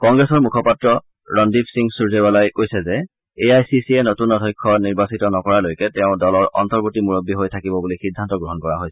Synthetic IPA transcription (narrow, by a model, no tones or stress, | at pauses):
kɔŋɡɹɛsɔɹmukʰɔpatɹɔ | ɹɔndipʰsiŋsuɹzebalajkojsɛzɛ | eajsisiɛnotunɔdʰʱɔjkʰːɔniɹbasitɔnɔkɔɹalojkɛtɛʊ̃dɔlɔɹʔɔ̰ntɔɹbotimuɹobːiɦojtʰakibɔbulixidʱːantɔɡɹɔɦɔnkɔɹaɦojsɛ